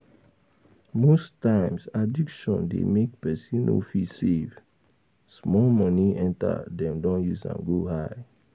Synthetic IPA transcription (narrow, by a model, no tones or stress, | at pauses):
mostãɪ̃msadikʃɔ̃ndḛmek̚pɛsĩno̰fisev | smɔlmɔniɛ̃nta̰dɛ̃mdɔ̃njuzã̰nɡohaɪ